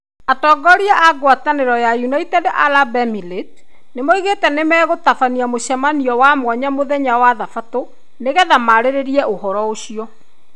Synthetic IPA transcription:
atɔɡɔɾiaʔaɡwataneɾɔjajunaitɛdeʔalabɛmilet | nemɔiɣetɛnemɛːɣotafaniamoɕɛmaniɔwamwɔɲamoðɛɲawaðafato | neɣɛðamaɾeɾeɾiɛʔoɦɔɾɔoɕiɔ

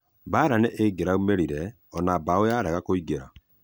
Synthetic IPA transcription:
baːɾanɛʔeɡeɾaumeɾiɾɛ | ɔnabaojaːɾɛɣakoiɡeɾa̰

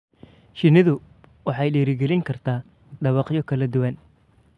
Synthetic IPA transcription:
ʃɪnɪðʊ | wɑħɑjɖɛːɾɪɡɛlɪŋkʰɐrt̪ʰaː | ɖɐβɑqjɔkʰɐlɐd̪ʊwɐn

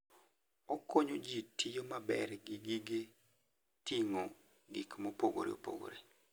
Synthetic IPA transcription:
okoɲod͡ʒitʰɪjomabɛ̰ɾɡɪɡiɡe | tiŋo | ɡikmopoɡo̰ɾḛo̰po̰ɡo̰ɾe

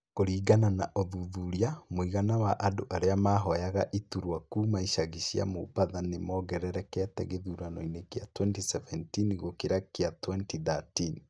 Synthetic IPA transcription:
koɾiːɣananaʔoðuðuɾiamoiɣanawaʔadoʔaɾeamaɦɔjaɣaʔituɾwakuːmaiʃaɣiɕia̰mo̰paðanemɔɣɛɾɛɾɛkɛtɛ̰ɣeðuːɾanɔinekeatwɛntisɛvɛntinɣokeɾakeatwɛntiðatin

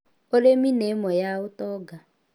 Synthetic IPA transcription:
oleminemɔjaʊtɔɡa

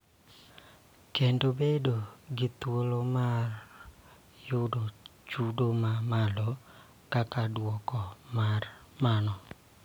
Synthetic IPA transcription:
kendobedoɡɪt̪wolomar | jʊdot͡ʃudomamalɔ | kakadwɔkɔmar | manɔ

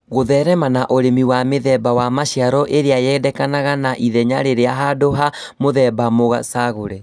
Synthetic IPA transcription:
ɣoðɛɾɛmanaʔoɾemiwameðɛbawamaɕiaɾɔʔeɾeajɛːdɛkanaɣanaʔiðɛɲaɾeɾeaɦadoɦa | moðɛbamoɣa̰saɣoɾɛ

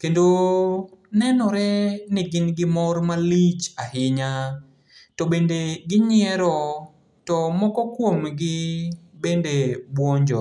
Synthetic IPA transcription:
kendo | nɛnɔɾɛnɪɡɪnɡɪmɔrmalit͡ʃahɪɲa | tɔbendeɡɪɲɪɛɾɔ | tɔmɔkɔkwomɡɪbendebwɔɲd͡ʒɔ

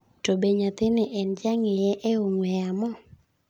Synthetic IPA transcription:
tobeɲat̪ɪnɪʔɛnd͡ʒaŋɪjɛʔɛʊŋwɛjamɔ

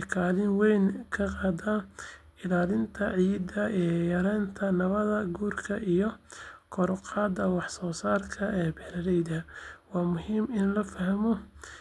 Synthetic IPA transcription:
kʰaːlɪnwɛjnkʰɐqɑːd̪ɐ | ɪlaːlɪnt̪ʰɐʕiːd̪ɐɛːjɐɾɛːnt̪ʰɐnɐβɐðɐɡuːrkʰɐʔijɔkʰɔɾʊqɑːd̪ːɐwɑħsɔːsaːrkʰɐʔɛːbɛːlɐɾɛjðɐwɑːmʊɦiːmɪnlɐfɐɦɐmɔ

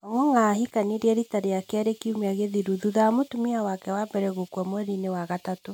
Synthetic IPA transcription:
aŋwɔŋahikaneɾiɛɾitaɾeakeaɾekiumeaɣeðiɾuðuðamotumiawakɛwabɛɾɛɣokwɔmoɛɾinewaɣatato

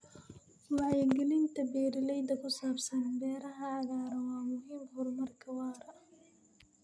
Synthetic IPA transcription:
wɑʕjɛɡɪlɪnt̪ʰɐbɛːɾɪlɛjd̪ɐkʰʊsaːbsɐnbɛːɾɐɦɐʕɑɣaːɾɐwɑːmʊɦiːmhʊrmɐrkʰɐwɑːɾɐ

